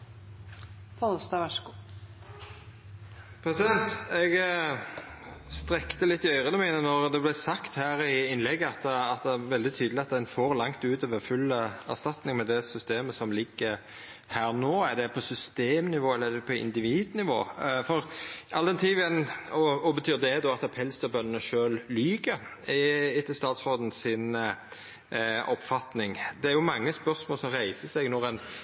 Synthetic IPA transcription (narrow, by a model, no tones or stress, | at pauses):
fɔlsd̪ɑːʋɑʂəɡu | pʰɾɛsɪd̪ɛnt̪ɛɡ | st̪ɾɛkt̪əlɪt̪ːɪœʏʁəd̪ɛmiːnənɔʁd̪ɛblæsɑkt̪hæːɾɪɪnlɛɡːəɑt̪ɑt̪̚d̪ɛæʋɛld̪ɪt̪ʰyːd̪lɪɑt̪̚d̪ɛnfɔɾlɑŋt̪ʉːt̪oːʋəfʉlːəæ̰ʁst̪ɑt̪nɪŋmɛd̪ɛsʏst̪eːməsɔmlɪɡːə | hæːɾnoːæɾd̪ɛpʰɔsʏst̪eːmnɪʋoːɛlːəæɾd̪ɛpʰɔɪ̰nd̪ɪʋiːd̪nɪʋo̰ːfɔɾɑld̪ɛnt̪ʰiːʋɛnɔɔbət̪ʰyːɾd̪ɛd̪ɔɑt̪ɑpʰɛlst̪əbœnːənəʃøːllyːɡəɾ | ɪt̪ːəst̪ɑːt̪sod̪n̩sɪn | ɔpːfɑt̪nɪŋd̪ɛæɾjʊmɑŋːəspœʁsmoːlsɔmɾæɪsəsɛɡnɔɾɛn